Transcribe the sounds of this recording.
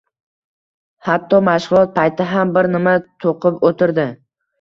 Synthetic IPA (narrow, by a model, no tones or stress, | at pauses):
hat̪ʰːɒmaʃʁʊlˠɒt̪̚pʰajt̪ʰɪɦambɪɾnɪmat̪ʰoqʰɨpot̪ʰɪɾd̪ɪ